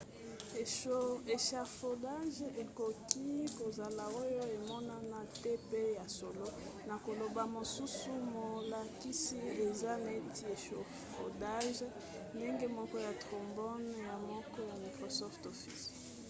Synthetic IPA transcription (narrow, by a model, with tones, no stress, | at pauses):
e˨ʃa˨fo˨da˦ʒe˨ko˨ki˦ko˨za˨la˨o˦jo˦e˨mɔ˦na˦na˨tɛ˦pe˦ja˨so˨lo˦ | na˨ko˨lo˨ba˨mo˨su˦su˦mo˨la˨ki˦si˦e˨za˦na˨e˦tʰi˦e˨ʃo˨ | fo̰˨da˦ʒ | nde˦ŋɡe˦mɔ˦kɔ˦ja˨tʁo˨mbɔ˦nja˨mɔ˦kɔ˦ja˨mi˨kʁo˨sɔ˦fto˨fi˦s